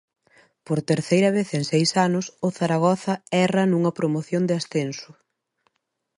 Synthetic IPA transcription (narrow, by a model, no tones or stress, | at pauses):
poɾt̪eɾθejɾɐβ̞eθeŋsejsanʊsʊθaɾaɣ̞ɔθɐɛrɐnuŋɐpɾomoθjond̪ɪasθensʊ